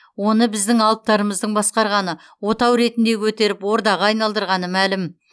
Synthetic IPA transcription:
wo̞nəbɪzd̪ɪŋɑlˠəp̚t̪ɑɾəməzd̪əɴbɑsqɑɾʁɑnə | wo̞t̪ɑwɾe̞t̪ɪnd̪e̞kʲʰɵt̪e̞ɾɪpwo̞ɾd̪ɑʁɑɑjnɑlˠd̪əɾʁɑnəmælɪm

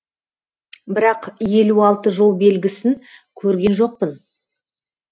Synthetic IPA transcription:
bɪɾɑqje̞luɑlˠt̪əʒo̞lˠbe̞lɡʲɪsɪŋkʲʰɵɾɡʲe̞nʒo̞q̚pən

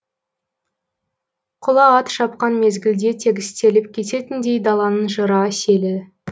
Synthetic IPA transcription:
qʰʊlˠɑɑt̪ʃɑp̚qɑnme̞zɡʲɪld̪e̞t̪ʰe̞ɡʲɪst̪e̞lɪpkʲʰe̞t̪e̞t̪ɪnd̪e̞jd̪ɑlˠɑnəɴʒəɾɑse̞lɪ

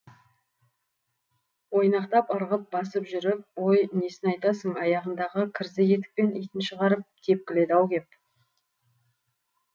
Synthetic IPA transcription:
wo̞jnɑqt̪ɑpɑɾʁəp̚bɑsəpʒʏɾɪp̚wo̞jne̞sɪnɑjt̪ɑsəɴɑjɑʁənd̪ɑʁəkʲʰɪɾzɪje̞t̪̬ɪ̥k̚pe̞nijt̪ɪnʃəʁɑɾəp̚t̪ʲʰe̞p̚kʲɪle̞d̪ɑwɡʲe̞p̚

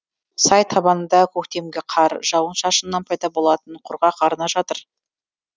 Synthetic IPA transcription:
sɑjt̪ʰɑbɑnənd̪ɑkʲʰɵkt̪e̞mɡʲeqʰɑɾʒɑwənʃɑʃənːɑnpʰɑjd̪ɑbo̞lˠɑt̪əɴqʰʊɾʁɑqʰɑɾənɑʒɑt̪əɾ

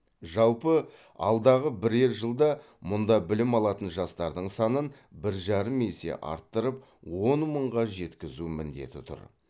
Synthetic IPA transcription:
ʒɑlˠpə | ɑ̰lˠd̪ɑʁəbɪɾeɾʒəlˠd̪ɑ | mʊnd̪ɑbɪlɪmɑlˠɑt̪ənʒɑst̪ɑɾd̪əɴsɑnən | bɪɾʒɑɾəme̞se̞̰ʔɑ̰ɾt̪ːəɾəp̚ | wo̞nməɴʁɑʒe̞t̪kʲɪzumɪnd̪e̞̰t̪ɪt̪ʰʊ̰ɾ

